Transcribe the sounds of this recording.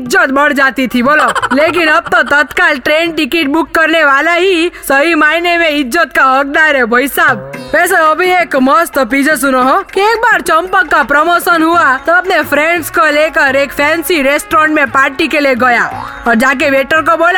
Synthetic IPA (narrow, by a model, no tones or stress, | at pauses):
d͡ʒət̪bəɽd͡ʒaːt̪it̪ʰiboːloleːk̬inəb̚t̪ot̪ət̪kalʈɾẽːnʈɪkiʈ̚bʊkːəɾneʋaːlaɦisəɦimaːinemẽɪd͡ʒːət̪kaɔɡ̚naɾebʱɔisaːbʋɛːs̬eəbʱieːkmɔst̪op̬id͡ʒes̬ʊnoɦɔkieːk̚baːɾt͡ʃəmpəkːapɾɔmoːsənɦuat̪oəp̚nepʰɾẽɳɖskolekəɾeːkpʰɛ̃ːnsiɾesʈɾɔ̃ːɳʈmẽpaːɾʈikeleɡəja | ɔːɾd͡ʒaːk̬eʋeːʈəɾkoboːla